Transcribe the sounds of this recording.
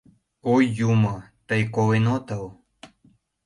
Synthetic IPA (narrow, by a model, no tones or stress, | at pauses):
ojːumə | t̪əjkowenot̪aw